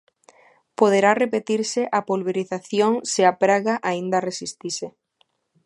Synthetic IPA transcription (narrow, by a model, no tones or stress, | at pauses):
poðeɾarepet̪iɾsɪʔapolβeɾiθaθjoŋsɪapɾaɣaʔaind̪ɐresist̪ise